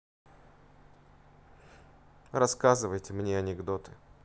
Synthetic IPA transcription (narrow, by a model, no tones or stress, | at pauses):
rɐskazɨvəjtʲɪmnʲeɐnʲɪɡd̪o̞t̪ɨ